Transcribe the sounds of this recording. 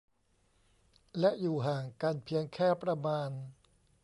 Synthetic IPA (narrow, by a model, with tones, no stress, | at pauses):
lɛ˦˥ʔjuː˨˩ɦaː˨˩ŋka˧npʰi˧əŋkʰɛː˥˩pɾa˧maː˧n